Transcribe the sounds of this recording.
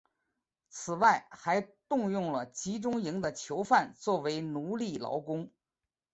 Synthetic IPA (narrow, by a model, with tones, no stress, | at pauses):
t͡sʰɹ̩˨˩wa˥˩ɪxa˧˥ɪt̪ʊ˥˧ŋjʊ˥˩ŋlə˩t͡ɕi˧˥ʈ͡ʂʊ˥ŋi˧˥ŋd̪ə˨t͡ɕʰjo˧˥ʊfa˥˧nt͡swɔ˥˩we˧˥ɪnu˧˥li˥˩lɑ̰˧˥ʊkʊ˥ŋ